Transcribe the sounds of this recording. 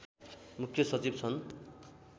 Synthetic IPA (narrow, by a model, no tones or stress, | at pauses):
mukʰjʌsʌt͡sibt͡sʰʌn